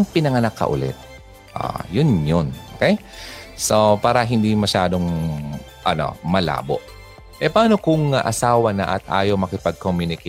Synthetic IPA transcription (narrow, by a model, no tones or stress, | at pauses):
ŋpɪnɐŋɐnɐkːɐ̰ʔʊ̰lɛ̰t̪̚ | ʔa̰jʊnjonʔo̰ːkɛj | sopaːɾɐɦɪnd̪imɐʃaːd̪o̞ŋ | ʔɐno̞̰mɐla̰ːbo̞̰ʔ | ʔɛpɐʔaːno̞kʊŋɐʔɐsaːwɐnɐ̰ʔɐ̰t̪̚ʔa̰ːjomɐkɪpɐɡ̚komjʊnɪkɛ